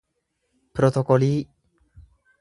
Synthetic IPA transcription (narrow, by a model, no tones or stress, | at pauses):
pɾot̪okoli